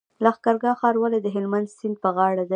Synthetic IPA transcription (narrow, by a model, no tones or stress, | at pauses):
laxkɑɾɡɑxɑɾwaled̪əɦɪlmand̪sɪnd̪̚pəɣɑɽad̪a